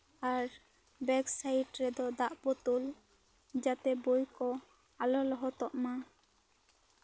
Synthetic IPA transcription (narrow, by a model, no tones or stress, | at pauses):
aɾ | bɛksaiʈɾɛd̪ɔd̪aʔpɔt̪ul | d͡ʒat̪ɛbojkɔ | alɔlɔɦɔt̪ɔʔma